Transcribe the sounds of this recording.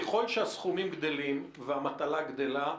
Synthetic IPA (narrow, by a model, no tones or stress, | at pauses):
eχo̞lʃeasχumimɡd̪o̞lim | veamat̪alaɡd̪e̞la